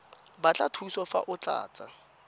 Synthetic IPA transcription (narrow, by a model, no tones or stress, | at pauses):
bat͡ɬʼatʰuisɔfa̰ʔʊt͡ɬʼa̰ːt͡sʼa